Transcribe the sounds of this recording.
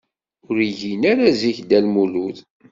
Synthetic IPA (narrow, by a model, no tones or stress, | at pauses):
ʊɾʝinaɾaziçd̪ælmuluð